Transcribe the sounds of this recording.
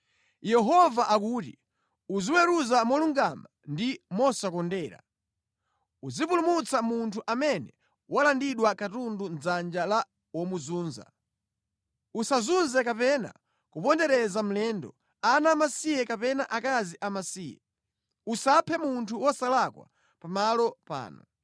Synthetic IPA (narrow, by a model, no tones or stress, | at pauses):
jɛɦɔvaʔak̬uːti | uziwɛɾuzamɔluŋɡamandimɔsakɔndɛːɾa̰ | uzipulumut͡samuntʰuʔamɛnɛ | walandiɗwakatundund͡zand͡ʒala | wɔmuzuːnza̰ | usazunzɛkapɛna̰ | kupɔndɛɾɛzam̩lɛndɔ̰ | anamasijɛkapɛnaʔakaziʔamasiːjɛ̰ | usapʰɛmuntʰuwɔsalakwa̰ | pamalɔpa̰ːnɔ̰